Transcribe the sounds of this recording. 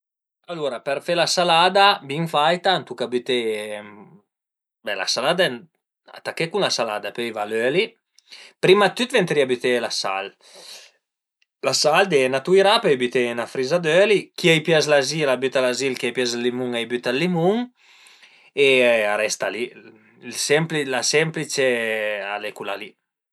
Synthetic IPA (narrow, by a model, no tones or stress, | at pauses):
aluɾapɛɾfɛlasalad̪abiŋfajt̪ant̪ukabyt̪e | bɛla̰salad̪aɛ | a̰t̪akːekunlasala̰ːd̪apøjvaløli | pɾimat̪ːyt̪vɛnt̪ɾiabyt̪elasa̰l | lasald̪ɛnat̪uiɾapøjbyt̪enafɾizad̪ølikiajpjazlazilabyt̪alazilkiajpjazlːimuŋajbyt̪alːimuŋ | eaɾɛst̪ali | ilsɛmplilasɛmplit͡ʃealɛkulali